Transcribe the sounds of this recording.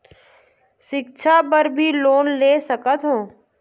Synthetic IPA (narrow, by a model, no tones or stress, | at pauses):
ʃɪkt͡ʃʰapəɾbʱiloːnleːsəkət̪ɦõː